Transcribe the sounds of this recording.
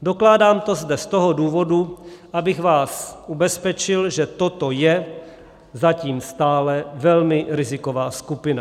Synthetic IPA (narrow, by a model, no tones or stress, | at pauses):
do̞klaːdaːmt̪o̞zdɛst̪oɦoduːvo̞duʔabɪɣvaːsʔubɛspɛt͡ʃɪlʒɛt̪ot̪o̞jɛ | zaciːmst̪aːlɛvɛlmɪɾɪzɪko̞vaːskupɪna